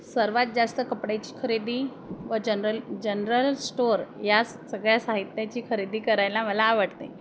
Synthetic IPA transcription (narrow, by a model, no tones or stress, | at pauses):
səɾʋat̪̚d͡zast̪əkəpɽat͡ɕiːkʰəɾed̪iː | ʋəd͡ʑənɾəld͡ʑənɾəlsʈoɾjas | səɡɭjasaɦit̪jat͡ɕiːkʰəɾid̪iːkəɾajlaməlaːʋəɽt̪ḛ